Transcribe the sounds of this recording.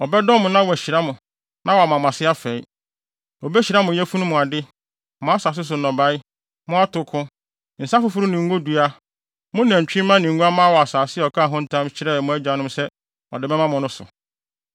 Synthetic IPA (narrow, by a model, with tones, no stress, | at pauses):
ɔ˨bɛ˦dɔ̃˦mʊ̃˨nã˦wɔ˨æ˨ɕi˨ɾa˦mʊ̃˨ | nã˦wɔ˨a˨mã˨mã˨sɪ˦a˦fɛ˨i˦ | ɔ˨bɛ˦ɕi˨ɾa˦mʊ̃˨˦ɛ˦fu˦nʊ̃˦mʊ̃˨a˨dɪ˦ | mʊ̃˦a˦sa˨s̬ɪ˦s̬ʊ˨nɔ̃˨ba˦ɪ˦ | mʊ̃˦a˦tʰʊ˨kʰʊ̃˦ | n̩˨sa˦fʊ˨fʊ˦ɾʊ˦nɪ̃˨ŋ˦ɡo˦du˨a˦ | mʊ̃˦n˨ã˨ɲ˨t͡ɕᶣĩ˦mã˦nĩ˨ŋ̩˦ɡu˦a˦mã˦wɔ˨a˨saː˨sɪ˦ɛ˨ɔ˨kʰa˦˨ɦʊ̃˦n̩˦tʰã˦mt͡ɕʰɪ˦ɾɛ˦˨mʊ̃˦æ˦d͡ʑa˨˦nʊ̃˦msɛ˦ | ɔ̰˨dɪ˨bɛ˦mã˦mʊ̃˨nʊ̃˦sʊ̰˨